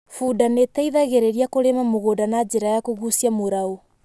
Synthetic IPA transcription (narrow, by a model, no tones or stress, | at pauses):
fuːdanetaiðaɣeɾeɾiakoɾemamoɣodanad͡ʒeɾajakoɣusiamoɾao